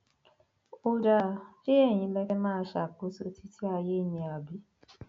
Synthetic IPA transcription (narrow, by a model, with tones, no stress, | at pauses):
o˧d͡ʒa˧˨ke˦ɛ˦˨ɲ̃ĩ˧bɛ˧kɛ˦mãː˦ʃa˨k͡po˨˦so˧ti˦ti˦a˧je˦˨ɲĩ˧a˨bi˦